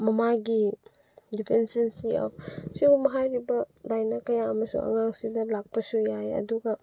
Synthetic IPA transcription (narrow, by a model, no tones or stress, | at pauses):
mɐmaɡi | dipʰensensiɔ̰p̚ʰsibumɐɦajɾibɐdajnɐkɐjaɐmɐsṵŋɐ̰ŋaŋsidɐlak̚pɐsujajɐ̰duɡɐ